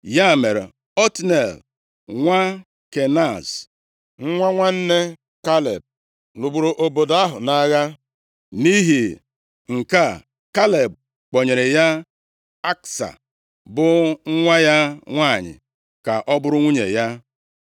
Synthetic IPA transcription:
ja˦˨me˨ɾe˨ | ɔ˦tne˨l | ŋʷa˦ | ke˨na˦˨s | ŋ̩˦ŋʷa˦ŋʷa˦n̩˦ne˦ | ka˦lḛ˨b̚ | lu˨ɡ͡bu˨ɾo˨ʔo˨bo˨da˦ɦʊ̰˨na˦ɣa˦ | ni˦ɦi˨ | ŋ̩˨ka˦ | ka˦le˨b̚ | k͡po˨ɲe˨ɾe˨ja˦ | a˦ksa̰˨ | bʊ˨ŋ̩˦ŋʷa˦ja˦ŋʷa˦˨ɲɪ̰˨ | ka˨ʔɔ˦bʊ˦ɾʊ˦ŋʷu˦ɲe˨ja˦

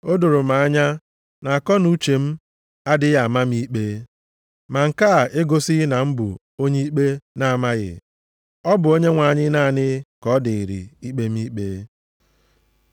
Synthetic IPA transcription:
o˦dʊ˨ɾʊ˨ma˨a˦ɲa˦ | na˨a˨kɔ˦nu˦t͡ʃe˨m̩˦ | a˦dɪ˦ɣa˨ma˦m̩˦i˦k͡pe˦ | ma˨ŋ̩˨ka˦˨e˦ɡo˦sɪ˦na˨m̩˦bʊ̰˨ | o˦ɲe˦i˦k͡pe˦na˦a˨ma˦ɣɪ̰˨ | ɔ˦bʊ˨o˦ɲe˦ŋʷa˨ɲɪ˦na˦˨nɪ˦kɔ˦dɪ˨i˨ɾḭ˨i˦k͡pe˦m̩˦i˦k͡pe˦

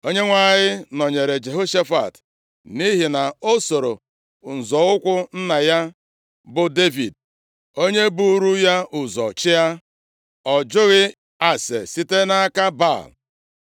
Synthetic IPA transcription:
o˦ɲe˦ŋʷa˦˨ɲɪ˦nɔ˨ɲe˨ɾe˨d͡ʒe˨ɦo˦ʃe˦fa̰˨t | ni˦ɦi˨na˨o˦so˨ɾo˨ | n̩˨zɔ˨ʊ˦kʷʊ˦n̩˦na˨ja˦ | bʊ˨de˦vi˨d̚ | o˦ɲe˦bu˦ɾu˦ja˦ʊ˨zɔ̰˨t͡ʃɪ˦ja˦ | ɔ˨d͡ʒʊ˦ɣɪ˦ | a˨sḛ˨si˦te˦na˦a˦ka˦ba̰˦˨l

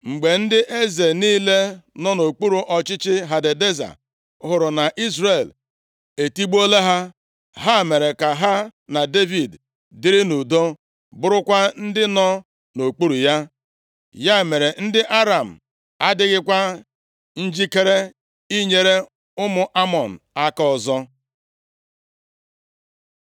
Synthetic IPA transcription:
ŋ͡m̩˨ɡ͡be˨n̩˦dɪ˦ʔe˦ze˨niː˦le˦nɔ˦no˨k͡pu˦ɾu˨ʔɔ˨t͡ʃɪ˦t͡ʃɪ˦ɦa˨de˨de˦za̰˨ | ɦʊ˨ɾʊ˨na˨ʔi˦zre˨l | e˨ti˦ɡ͡bo˦le˦ɦa˦ | ɦa˦˨me˨ɾe˨ka˨ɦa˦na˨de˦vi˨d | dɪ˦ɾɪ˦nu˨do˦ | bʊ˦ɾʊ˦kʷa˦n̩˦dɪ˦nɔ˦ | no˨k͡pu˦ɾu˨ja˦ | ja˦˨me˨ɾe˨n̩˦dɪ˦ʔa˦ɾa˨m̩˨ | a˦dɪ˦ɣɪ˦kʷa˦ | n̩˦d͡ʒi˦ke˦ɾe˦ | i˦ɲe˨ɾe˦ | ʊ˦mʊ˨ʔa˦mɔ˨n̩˨a˦ka˦ɔ˨zɔ˦

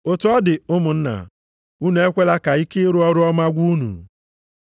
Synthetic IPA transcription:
ʊ˨tʊ˦ɔ˦dɪ˨ʊ˦mʊ˨n̩˦na̰˨ | u˦nu˨e˦kʷe˦la˦ka˨i˦kɪ˦ɾʊ˦ɔ˦ɾʊ˦ɔ˦ma˦ɡʷu˦nṵ˨

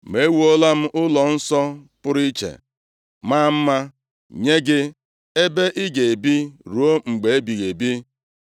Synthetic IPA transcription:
me˨˦wu˨o˦la˦m̩˦ʔʊ˦lɔ˨n̩˦sɔ˦pʊ˦ɾi˦t͡ʃḛ˨ | ma˦˨m̩˦ma˦ | ɲe˦ɡɪ˦ | e˦be˦ʔi˦ɡe˨e˨bi˦ɾu˨˦o˦ŋ͡m̩˨ɡ͡be˨e˦bi˨ɣe˨bi˦

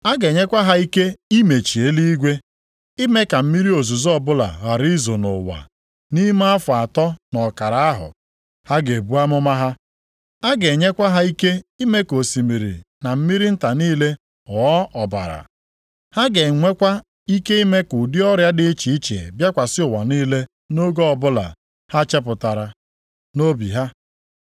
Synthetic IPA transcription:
a˦ɡe˨ɲe˦kʷa˦ɦa˦i˦ke˦i˦me˨t͡ʃi˨e˦li˦i˦ɡʷe˦ | i˦me˦ka˨m̩˦mi˦ɾi˦o˨zu˨zɔ˦˨bʊ˦la̰˨ɣa˨ɾi˦zo˨nʊ̰˨wa̰˨ | ni˦m˦a˦fʊ˨a˨tɔ˦nɔ˨ka˨ɾa˨a˦ɦʊ̰˨ | ha˦ɡe˨bu˦a˦mʊ˦ma˦ɦa˦ | a˦ɡe˨ɲe˦kʷa˦ɦa˦i˦ke˦i˦me˦ko˨si˨mi˨ɾḭ˨na˨m̩˦mi˦ɾi˦n̩˦ta˨niː˦le˦ | ɔ˨ɔ˦ʔɔ˨ba̰˨ɾa̰˨ | ha˦ɡe˨ŋʷe˦kʷa˦ | i˦ke˦i˦me˦kʊ˨dɪ˦ɔ˦ɾja˦dɪ˦t͡ʃi˨i˦t͡ʃḛ˨bja˦kʷa˨sɪ˦ʊ˨wa˨niː˦le˦ | no˦ɡo˦ɔ˨bʊ˦la̰˨ | ha˦t͡ʃe˦p̬ʊ˨ta˨ɾa˨ | no˦bḭ˨ɦa˦

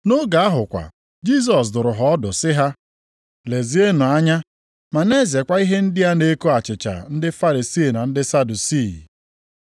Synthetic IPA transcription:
nʊ˦ɡa˨a˦ɦʊ˨kʷa̰˨ | d͡ʒi˦˨s̬ɔ˨s̬dʊ˨ɾʊ˨ɦɔ˨ɔ˦dʊ˨sɪ˦ɦa˦ | le˨zi˨˦e˦nʊ˨a˦ɲa˦ | ma˨ne˦ze˨kʷa˦i˦ɦe˦n̩˦dɪ˦a˦ne˦ko˦a˨t͡ʃɪ˨t͡ʃa̰˨n̩˦dɪ˦fa˦ɾi˨si˦˨na˨n̩˦dɪ˦sa˦du˨si˦˨

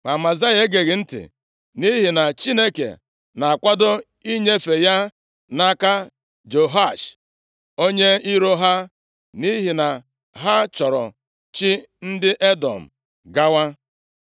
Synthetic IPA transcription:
ma˨ma˨za˦je˦ɡe˨ɣɪ˨n̩˦tɪ̰˨ | ni˦ɦi˨na˨t͡ʃi˦ne˦kḛ˨ | na˨a˨kʷa˦do˦ | i˦ɲe˦fe˨ja˦ | na˦ka˦ | d͡ʒo˨ɦa˦˨ʃ | o˦ɲe˦i˦ɾo˦ɦa˦ | ni˦ɦi˨na˨ | ɦa˦t͡ʃɔ˨ɾɔ̰˨ | t͡ʃi˦ | n̩˦dɪ˦ʔe˦dɔ̰˨m̩˨ | ɡa˦wa˦

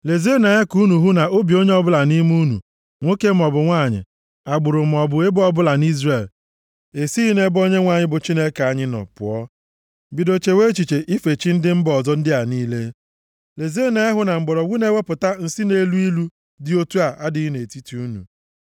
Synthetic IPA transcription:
le˨ze˦na˨e˦ku˦nu˨ɦu˦na˨o˦bi˨o˦ɲe˦ɔ˦bʊ˦la˨ni˦m˦u˦nṵ˨ | ŋʷo˦ke˦m̩˨ɔ˨bʊ˨ŋʷa˦˨ɲɪ̰˨ | a˨ɡ͡bʊ˨ɾʊ˨m̩˨ɔ˨bʊ˨e˦bʊ˦ɔ˦bʊ˦la˨ni˦zre˦˨l | e˨si˦i˦ne˦bo˦ɲe˦ŋʷa˨ɲɪ˦bʊ˨t͡ʃi˦ne˦ka˨ɲɪ˦nɔ̰˨pʊ̰˨ɔ˦ | bi˨do˨t͡ʃe˨we˦t͡ʃi˨t͡ʃe˨ʔi˦fe˨t͡ʃi˦n̩˦dɪ˦m̩˦bɔ˨zɔ˦n̩˦dɪ˦a˨niː˦le˦ | le˨ze˦˨na˨a˦ɦʊ˨na˨ŋ͡m̩˨ɡ͡bɔ˨ɾɔ˨ɡu˦ne˦we˦pʊ˨ta˦n̩˨si˦ne˦lu˦i˦lu˦ | dɪ˦o˦tu˦a˨ʔa˦dɪ˦i˦ne˨ti˦ti˨u˦nṵ˨

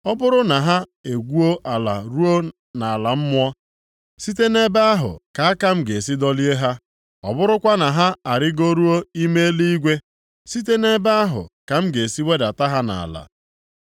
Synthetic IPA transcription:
ɔ˦bʊ˦ɾʊ˦na˨ɦa˦e˨ɡʷu˦o˦ʔa˨la̰˨ɾu˦o˦ | na˨a˨la˨m̩˦mʊ˦ɔ˦ | si˦t̬e˦ne˦ba˦a˦ɦʊ̰˨ka˨a˦ka˦m̩˦ɡe˨si˦dɔ˦li˦e˦ɦa˦ | ɔ̰˨bʊ˦ɾʊ˦kʷa˦na˨ɦa˦a˨ɾɪ˦ɡo˦ɾu˦o˦i˦me˦e˦li˦i˦ɡʷe˦ | si˦t̬e˦ne˦ba˦a˦ɦʊ̰˨ka˨m̩˦ɡe˨si˦we˦da˨ta˦ɦa˦na̰˨a̰˨la̰˨

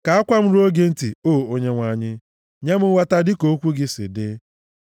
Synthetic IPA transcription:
ka˨a˦kʷa˦m̩˦ɾu˦o˦ɡe˦n̩˦ti˨o˦˨o˦ɲe˦ŋʷa˨ɲɪ˦ | ɲa˦mʊ˦wa˦ta˦dɪ˦ko˦kʷu˦ɡɪ˦sɪ̰˨dɪ˦

